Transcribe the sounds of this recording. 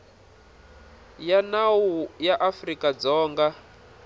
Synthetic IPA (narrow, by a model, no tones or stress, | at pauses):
janawujaʔafrikad͡zɔːŋɡa